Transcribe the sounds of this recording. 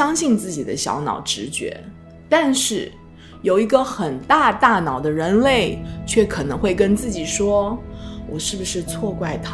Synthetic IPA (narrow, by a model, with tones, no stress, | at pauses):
jɑ˥ŋɕi˥˧nt͡sɹ̩˥˩t͡ɕi˨˩d̪ə˦ɕjɑ̰˧˥ʊnɑ̰˨˩ʊʈ͡ʂɻ̩˧˥t͡ɕɥɛ̰˧˥ | t̪a˥˧nʂɻ̩˥˩ | jo˨˩ʊi˧˥ɡə˧xə˨˩nt̪a˥˧t̪a˥˩nɑ˨˩ʊd̪ə˦ɻə˧˥nle˥˩ɪt͡ɕʰɥɛ˥˩kʰɤ˨˩nɤ˧˥ŋxwe˥˩ɪkə˥nt͡sɹ̩˥˩t͡ɕi˨˩ʂwɔ˥wɔ˨˩ʂɻ̩˥˩bu˩ʂɻ̩˥˧t͡sʰwɔ˥˧kwa˥˩ɪt̪ʰa˥